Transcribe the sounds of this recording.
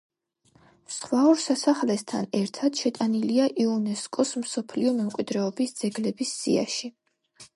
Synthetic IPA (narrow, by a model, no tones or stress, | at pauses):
sχvauɾsasaχlɛst̪ʰanɛɾt̪ʰad̪̥ʃɛt̪ʼaniliaʔiɔnɛskʼɔsmsɔpʰliɔmɛmkʼwid̪ɾɛɔbisd̪z̥ɛɡlɛbisːḭa̰ʃi